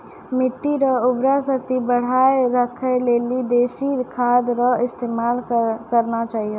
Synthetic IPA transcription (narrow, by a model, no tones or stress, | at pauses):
miʈːiɾəubɾasəkt̪ibəɽ̤aeɾəkʰəlelid̪esiɾkʰad̪ɾəist̪emalkəɾnat͡ʃaɦiju